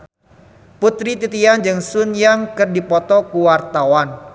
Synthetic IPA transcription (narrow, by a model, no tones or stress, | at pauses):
put̪ɾit̪it̪iand͡ʒɨŋsunjaŋkɨrdipɔt̪ɔkuwart̪awan